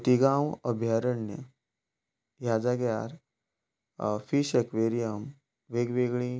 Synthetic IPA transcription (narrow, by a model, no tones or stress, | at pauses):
t̪iɡãwəbʱjaɾəɳːjə | jad͡zaɡjaɾ | fiʃekʋeɾijəm | ʋeɡʋeɡɭĩ